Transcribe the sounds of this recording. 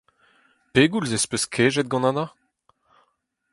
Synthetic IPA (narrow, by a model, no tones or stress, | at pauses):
peːɡulzespøskʰeːʒɛt̪̚ɡɑ̃nana